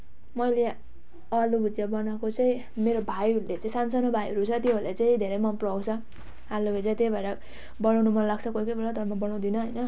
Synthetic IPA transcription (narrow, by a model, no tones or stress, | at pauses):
mʌjle | ʌlubʱud͡zjabʌnakot͡saĩ | meɾobʱajɦʌɾulet͡saĩsansʌnobʱajɦʌɾut͡sʰʌt̪jobolet͡saĩd̪ʱeɾʌjmʌmpruɦawt͡sʰʌ | aluket͡saĩt̪ejbʱaɾʌ | bʌnawnumʌlaɡ̚t͡sʰʌkokʌjbʱelad̪ʱʌmabʌnaw̃d̪inʌɦʌjnʌ